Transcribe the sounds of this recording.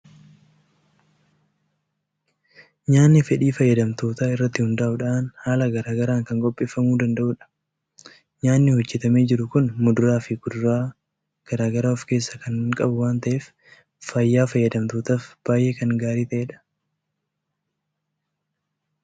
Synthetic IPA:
ɲaːnːɪfɛᶑiːfɐjːɐd̪ɐmt̪o̞ːt̪aːɪrːɐt̪ːɪhʊnd̪ɐʔʊᶑaːnhaːlɐɡɐɾaːɡɐɾaːŋkɐŋkʼɔpʼːeːfːɐmuːd̪ɐnd̪ɐʔʊːᶑɐ̥ | ɲaːnːɪhɔd͡ʒːɛt̪ɐmeːd͡ʒɪɾʊkʊnmʊd̪ʊɾaːfɪɡʊd̪ʊɾaː | ɡ̥ɐɾaːɡɐɾaːɔfke̞ːsːɐkɐŋkʼɐbʊwaːnt̪ɐʔeːf | fɐjːaːfɐjːɐd̪ɐmt̪oːt̪aːfb̥aːjʔe̞ːkɐŋɡaːɾiːt̪ɐʔeːᶑɐ̥

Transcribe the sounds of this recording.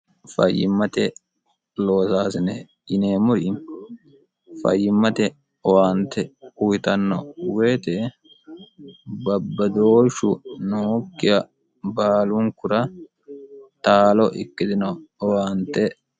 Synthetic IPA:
fɐ̰jːɪ̰mːɐt̪ɛ | lo̞ːsaːsɪnɛ | jɪneːmʊɾi | fɐ̰jːɪmːɐt̪ɛ | ɔwaːnt̪ɛujɪt̪ɐnːɔweːt̪ɛ | bɐbːɐd̪oːʃʊnoːkːɪjɐ | baːlʊŋkʊɾɐ | t̪aːlɔʔɪ̰kːɪd̪ɪnɔːwaːnt̪ɛ

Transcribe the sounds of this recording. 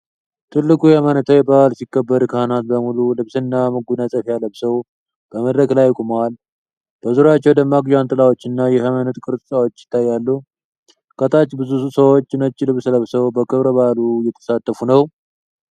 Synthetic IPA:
t̪ʰɨlːɨkʼujɛhəmənət̪ʰəwjɛbʼaalsikːəbːəd̪kʰəhnat̪̚bəmululɨβsɨnːamɨɡunəsʼəfjaləβsəw | b̥əməd̪ɾəɡlajkʼumwal | b̥əzuɾat͡ʃːɛwd̪əmːaɡd͡ʒwant̪ʼɨlawo̞t͡ʃːɨnːajɛhəmənət̪kʼɨɾt̪ʼɨt̪ʼawo̞t͡ʃːjɪ̥t̪ʰːajːalːu | kʼət̪ʰʼat͡ʃːbɨzusəwot͡ʃːnət͡ʃːlɨβsləβsəwbəkʰɨβɾəβalujɛt̪ʰə̥sat̪ːəfunəw

